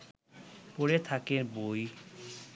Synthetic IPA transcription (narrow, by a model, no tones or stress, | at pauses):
poɾet̪ʰakeɾboj